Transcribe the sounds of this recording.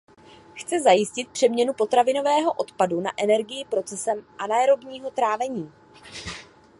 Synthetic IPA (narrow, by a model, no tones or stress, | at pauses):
xt͡sɛzajɪscɪt̪̚pr̥ɛmɲɛnupo̞t̪ɾavɪno̞vɛːɦo̞ʔo̞t̪paduna̰ʔɛnɛɾɡɪjɪpɾo̞t͡sɛsɛmʔanajɾo̞bɲiːɦo̞t̪ɾaːvɛɲiː